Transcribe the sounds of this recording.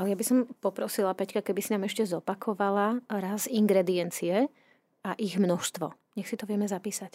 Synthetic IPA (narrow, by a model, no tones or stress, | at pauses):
alɛjabisɔmpɔpɾɔsilapɛckakɛbisinaːmɛʃcɛzɔpakʰɔʋalaɾaziŋɡɾɛd̪iɛnt͡siɛ | aʔiɣmnɔʃst̪ʋɔ̰ | ɲɛxsit̪ɔʋɪɛmɛzapiːsac